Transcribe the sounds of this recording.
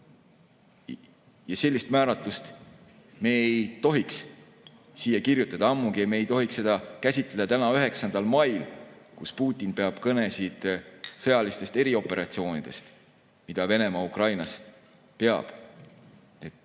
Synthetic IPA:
jɑse̞lʲːist̪mæːɾɑt̪lust̪ | me̞ejt̪o̞ɦiks | siːjɑkirjut̪ːˑɑd̪ɑɑmːuɡ̥iemeejt̪o̞ɦikse̞d̪̥ɑkæsʲit̪ˑled̪̥ɑt̪ænɑyɦe̞ksɑnd̪ɑlmɑjlkuspuːt̪ʲːˑinpe̞ɑb̥kɤne̞sid̪̥sɤ̞jɑlist̪e̞st̪e̞ɾio̞pːˑe̞ɾɑt̪sio̞ːnid̪̥e̞̰st̪ | mid̪̥ɑve̞ne̞mɑukrɑjnɑs | pe̞ɑ̰b̥ | e

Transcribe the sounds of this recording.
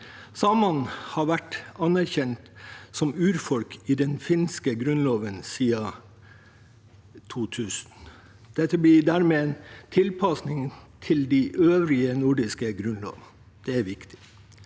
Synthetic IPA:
sɑːmɑnhɑɾʋæʈɑnæɾçɛnt̪sɔmʉːɾfɔlkʰɪd̪ɛnfɪnskəɡɾʉnloːʋənsiːɑ | t̪ʰuːt̪ʰʉːsn̩ | d̪̥ɛt̪ʰːəblɪɖ̪æɾmeːent̪ʰɪlpʰɑsnɪŋt̪ʰɪld̪iʔøːʋɾɪənʊɖɪskəɡɾʉnlo̰ːʋn | d̪̥ɛæɾʋɪkt̪ʰɪ̥

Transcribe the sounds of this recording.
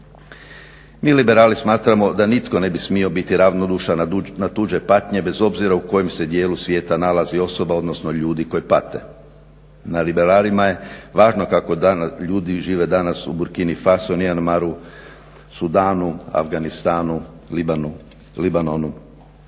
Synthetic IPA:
miːlibe̞ɾaːlismaːt̪ɾamo̞d̪anit̪ko̞ne̞bismio̞bit̪iɾaʋno̞d̪uʃanat̪ud͡ʒe̞pat̪ɲe̞be̞zo̞bziɾauko̞jemse̞d̪je̞ːlusʋje̞ːt̪analazio̞so̞bao̞d̪no̞sno̞ʎuːd̪iko̞jipat̪e̞̰ | nalibe̞ɾaːlimaje̞ʋaːʒno̞kako̞d̪aʎuːd̪iʒiːʋe̞d̪anasṵbuɾkinifasonianmaɾu | sud̪aːnua̰fɡanist̪aːnu | libanonu

